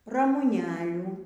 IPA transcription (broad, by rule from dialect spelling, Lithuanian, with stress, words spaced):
rɐmʊˈnʲæːlʲuː